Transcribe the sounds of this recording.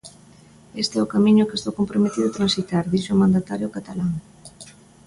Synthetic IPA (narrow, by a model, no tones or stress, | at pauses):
est̪eɛʊkamĩɲʊkest̪owkompɾomet̪iðʊt̪ɾãnsit̪aɾðiʃoʊmãnd̪at̪aɾjʊkat̪alaŋ